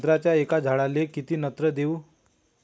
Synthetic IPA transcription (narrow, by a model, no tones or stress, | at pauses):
t̪ɾat͡ɕjaekad͡ʑʱaɭalekit̪iːnət̪ɾəd̪eu